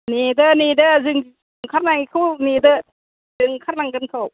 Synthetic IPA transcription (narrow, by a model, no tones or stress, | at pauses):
nedɐnedɐzɯŋ | ɯŋkʰaɾnaŋikʰɯwnedɐ | zɯŋkʰaɾnaŋɡɯnkʰaw